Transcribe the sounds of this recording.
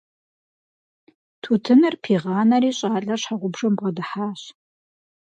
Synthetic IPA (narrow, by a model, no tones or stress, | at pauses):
tʰuːtʰɨnɨrpʰiːʁɑːnɐɾiːɕʼaːɬʼɐɕħaʁʷʊbʐɐmbʁɐdɨħaːɕ